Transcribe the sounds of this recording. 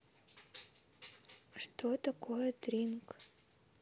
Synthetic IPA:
ʂt̪ot̪ɐkojət̪rʲink

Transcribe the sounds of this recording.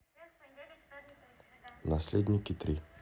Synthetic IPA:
naslɛd̪nʲikit̪ɾi

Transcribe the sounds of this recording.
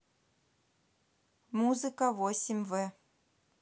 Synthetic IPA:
muzɨkəvosʲɪmʲvɛ

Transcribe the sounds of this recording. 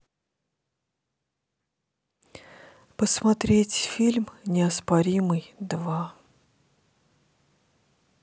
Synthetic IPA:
pəsmɐt̪ɾʲetʲfʲilʲmnʲɪɐspɐɾʲimɨjd̪va

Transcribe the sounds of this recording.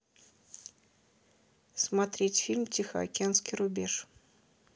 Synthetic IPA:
smat̪ɾʲetʲfʲilʲmtʲixəɐ̰kʲɪanskʲijɾʊbʲeʂ

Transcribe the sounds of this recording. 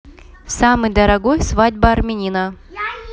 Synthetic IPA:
samɨjd̪ɐɾɐɡojsvadʲbɐɐrmʲɪnʲinə

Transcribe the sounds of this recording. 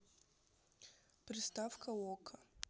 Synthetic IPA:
pɾʲɪst̪afkɐɔkʰɐ

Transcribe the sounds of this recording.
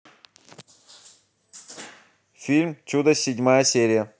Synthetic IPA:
fʲilʲmt͡ɕud̪əsʲɪdʲmajəsʲeɾʲɪjə

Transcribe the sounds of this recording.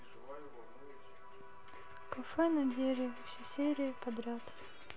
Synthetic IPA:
kɐfɛnɐdʲeɾʲɪvfsʲesʲeɾʲɪəpɐd̪ɾʲat̪

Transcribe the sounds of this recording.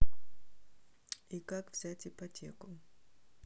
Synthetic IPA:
ikakvz̥ʲatʲipɐtʲekʊ

